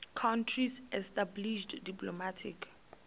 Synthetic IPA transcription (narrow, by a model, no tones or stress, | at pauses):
kʰãntʰɹisɛstabliʃddiplɔmatʰḭk